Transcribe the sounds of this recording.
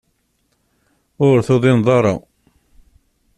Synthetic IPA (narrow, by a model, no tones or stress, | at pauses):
ʊɾθoðˤɪnðˤɑɾˤɑ̰